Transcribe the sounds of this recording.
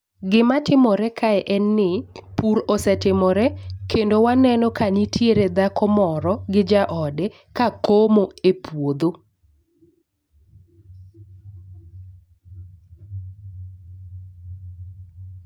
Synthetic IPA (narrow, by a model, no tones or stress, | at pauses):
ɡɪmatɪmɔɾɛkʰaɛʔɛnːɪpuɾɔsɛtɪmɔɾɛkendowanɛnɔkanitʰjeɾed̪akɔmɔɾɔɡɪd͡ʒaʔɔdɛ | kakomoepwod̪o